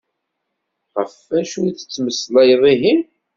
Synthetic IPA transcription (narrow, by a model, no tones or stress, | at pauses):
ʁəfːæʃujt͡sːə̥t͡sːməslæjðˤiɦim